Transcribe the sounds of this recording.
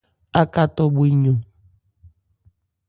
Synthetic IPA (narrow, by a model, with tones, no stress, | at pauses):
a˦ka˦tɔ˦bi˦ɲo˨